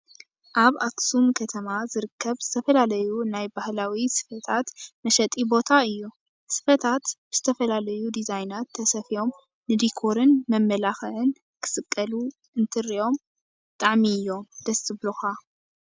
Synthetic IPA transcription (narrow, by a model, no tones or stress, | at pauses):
ʔaβaksumkʰɐt̪ʰɐmazɨɾɨkʰːɐβz̥ɨt̪ʰɐfɐlalɐjunajbahlawisɨ̥fɐt̪ʰat̪mɐʃɐt̪ʼibo̞t̪ʰaɨjːu | sɨ̥fɐt̪ʰat̪b̥ɨz̥ɨt̪ʰɐfɐlalɐjud̪izajnat̪ʰːɐsɐfijo̞m | nɨd̪ikʰo̞ɾɨnmɐmːɐlaxɐʕɨn | kʰɨ̥sɨkʼːɐlu | ɨnt̪ʰɨɾio̞m | t̪ʼaʕmiɨjːo̞md̪̥ɐsɨβloxa